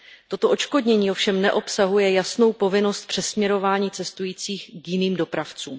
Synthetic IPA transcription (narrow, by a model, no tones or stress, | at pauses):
t̪o̞t̪o̞ʔo̞t͡ʃko̞dɲɛɲiːofʃɛmnɛʔo̞psaɦujɛjasno̞wpo̞vɪno̞st̪̚pr̝̥ɛsmɲɛɾo̞vaːɲiːt͡sɛst̪ujiːt͡siːxkjɪniːmdo̞pɾaft͡sṵːm